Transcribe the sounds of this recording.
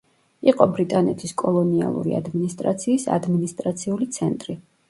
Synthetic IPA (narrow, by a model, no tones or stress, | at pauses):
iqʼɔbɾit̪ʼanɛt̪ʰiskʼɔlˠɔnia̰lˠṵɾḭa̰d̪minist̪ʼɾa̰t̪sʰiːsa̰d̪minist̪ʼɾat̪sʰiulit̪sʰɛnt̪ʼɾi